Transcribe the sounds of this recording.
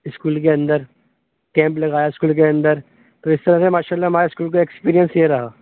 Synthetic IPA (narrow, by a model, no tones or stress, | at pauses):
ɪskuːlk̬eɐ̃nd̪əɾ | kɛ̃ːmplɐɡaːjaɪskuːlk̬eɐ̃nd̪əɾ | t̪oːɪst̪ɐɾəsemaːʃaːlːaɦɐmaːɾeɪskuːlk̬oeːkspiːɾijə̃nsjeɾɐɦaː